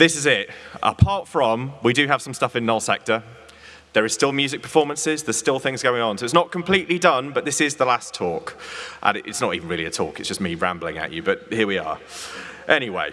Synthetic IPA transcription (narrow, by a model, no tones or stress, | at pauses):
ðɪsɪzɪtʔə̰pʰɑˑtfɹə̃mwidɨəv̥sʌ̃mstʌfɪ̃nəlˠsɛ̰k̚tə | ðəɹɪz̥stɪlˠmjʉːzɪk̚pʰə̥fɔːmə̃nsɪzðəz̥stɪlˠθɪ̃ŋzɡəʊɪ̃ŋə̃nsəʊɪts̬nəʔ̚kʰə̃mpʰl̥iˑʔlidʌ̃nbʌʔðɪsɪzðəlastʰɔˑkʔə̰̃nʔɪ̰tsnətḭːvə̃nɹɪːliətʰɔ̰ˑkɪtsd̥ʌsmiɹã̰mblɪ̰̃ŋə̰t͡ʃɨbʌthɪəwiə̰ | ʔɛñiwḛɪ